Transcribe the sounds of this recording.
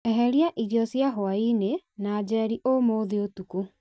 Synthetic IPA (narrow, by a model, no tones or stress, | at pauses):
ɛɦɛɾiaʔiɾjɔsjaɦoainenad͡ʒɛɾiʔomoːðiotuko